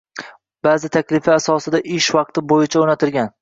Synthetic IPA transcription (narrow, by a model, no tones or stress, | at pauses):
baːzɪt̪ʰakʲlɪfɪasɒsɪd̪aʔɪʃvɑq̚t̪ʰɪbojɪt͡ʃʰaonat̪ʰɪɾɡʲan